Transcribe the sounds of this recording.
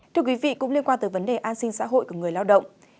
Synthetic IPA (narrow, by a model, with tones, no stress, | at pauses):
tt̪ʰɨ˧əkwi˨˦vḭ˧˨kʊ̰˧˥ŋ͡mli˧ənkwaː˧nt̪ɨː˨˩və˨˦nɗe˨˩ʔaː˧nsï˧ŋ̟sa̰ː˧˥ɦo̰˧˨jku˧˩əŋɨ˨˩əjlaː˧wɗə̰˧˨wŋ͡m